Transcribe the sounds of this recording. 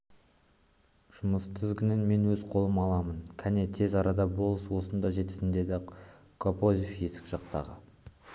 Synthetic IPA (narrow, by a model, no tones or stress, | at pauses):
ʒ̥ʊməst̪ʰɪzɡʲɪnenme̞nwɵzqʰo̞lˠəmɑlˠɑmənkʲʰænet̪ʰe̞zɑɾɑd̪ɑbo̞lˠəswo̞sənd̪ɑʒe̞t̪ɪ̥sɪnd̪e̞d̪ɪ | kʰopo̞zʲifje̞sɪ̥kʒ̥ɑqt̪ɑ̰ʁə